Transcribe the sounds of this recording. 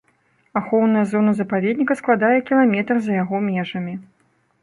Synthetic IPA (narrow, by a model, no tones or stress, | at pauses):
axɔwnɐjɐzɔnɐzɐpavʲɛd̪nʲikɐsklˠad̪ajɛkʲilˠamʲɛt̪rzɐjaɣɔmʲɛʐɐmʲi